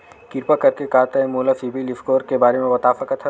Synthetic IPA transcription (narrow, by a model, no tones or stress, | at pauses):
kɪɾpakɐɾkekaːt̪aɦɛmoːlafiːbilɪfkoːɾkebaːɾemẽʋɐt̪aːfəkət̪ʰɐ